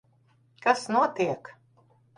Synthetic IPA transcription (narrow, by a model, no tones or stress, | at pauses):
kasnuɔt̪iɛk